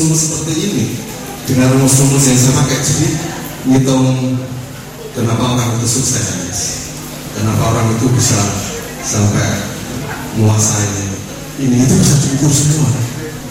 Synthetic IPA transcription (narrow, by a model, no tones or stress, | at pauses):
umʊlsəpərt̪iini | d̥əŋanuŋɔsumbʊlzaŋsəpakɛʔd͡ʒadi | ŋit̪ɔŋ | kənapaoɾaŋit̪usuksadanas | kənapaoɾaŋit̪ubisa | sampɛ | muasaini | iniːt̪ub̥isad͡ʒukursəmuŋan